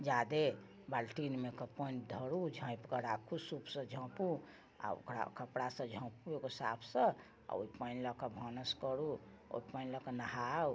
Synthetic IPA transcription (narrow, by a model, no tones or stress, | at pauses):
d͡ʒad̪e | balʈinmekəpənd̪ʱəɾud͡ʒʱə̃ĩpkəɾakʰusupsə̃d͡ʒʱə̃pu | a̰o̰kɾa̰kəpɽasə̃d͡ʒʱə̃puekosa̰pʰsə̃ | a̰o̰ipənləkəbʱɔnəskəɾu | o̰pənləkənəɦaw